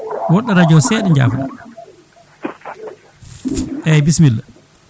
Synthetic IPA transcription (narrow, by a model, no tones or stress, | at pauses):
wɔɗːaɾad͡ʒɔsɛːɗɛɲd͡ʒa̰ːfaɗa | ʔɛbismilː